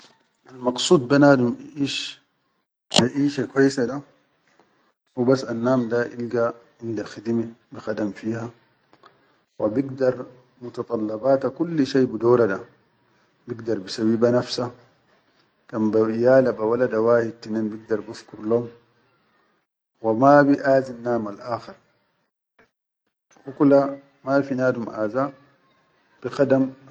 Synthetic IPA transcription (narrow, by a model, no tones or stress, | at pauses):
ʔalmɑɡsˤuːd̪̚banaːd̪umʔiʔiʃ | baʔiːʃakwajːsada | ubasːanːaːmd̪aʔilɡaʕɪnd̪axid̪mebixad̪amfiːha | wʔabiɡd̪ɑɾˤ | mut̪ɑt̪ˤɑlːɑbaːt̪akulːʃeːbid̪oːɾada | biɡd̪ɑɾˤbisabiːbanafsa | kambaijaːlabawalad̪awaːhid̪̚t̪ːinenbiɡ̚d̪ɑɾˤbufkuɾloːm | wamabiʔaːzinːaːmalʔaːxɪɾ | ʔukla | mafinaːd̪umʔaːza | b̥ixad̪am